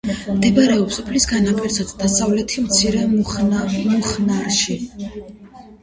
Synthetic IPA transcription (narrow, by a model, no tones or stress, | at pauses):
md̪ɛbɾɛɔpsɔpʰlisɡanapʰʼiɾzad̪d̪asavlɛt̪ʰimt̪sʰiɾɛ | muχnaɾʃi